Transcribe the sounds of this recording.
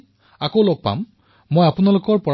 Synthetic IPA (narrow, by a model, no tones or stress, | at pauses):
akowloɡ̚pa̰mː | ojapunalokɔɹpɔɹ